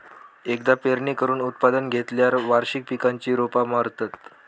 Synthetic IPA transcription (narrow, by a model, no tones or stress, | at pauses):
ekd̪apeɾɳikəɾuːnut̪̚pad̪ənɡʱet̪ljaɾʋaɾɕik̚pikaɲt͡ɕiːɾopamaɾt̪ət̪